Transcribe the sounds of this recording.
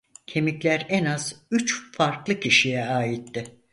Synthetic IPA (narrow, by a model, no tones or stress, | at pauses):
cʰe̞miclʲæɾɛnaz̥yt͡ʃfaɾklˠɯcʰiʃijɛaːjit̪ːɪ